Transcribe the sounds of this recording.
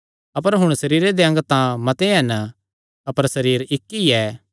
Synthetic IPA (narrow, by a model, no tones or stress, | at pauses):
ɐpəɾɦʊɽ̃sɐɾiːɾed̪eɐ̃ŋɡt̪ãmɐt̪eɦɛn | ɐpəɾsɐɾiːɾɪkːiɛ